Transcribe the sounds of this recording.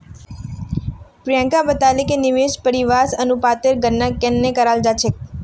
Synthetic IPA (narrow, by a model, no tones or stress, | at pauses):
pɾijãŋkabət̪alekenɪʋeʃpəɾiʋasənupat̪eɾɡənːakenːekəɾald͡ʒat͡ʃʰe